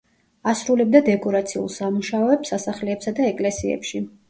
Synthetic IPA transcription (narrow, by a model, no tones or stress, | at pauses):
asɾulɛb̚d̪ad̪ɛkʼɔɾat̪sʰiṵlˠsamuʃaɔɛpsasaχlɛːpsad̪aɛkʼlɛsiɛ̰pʃi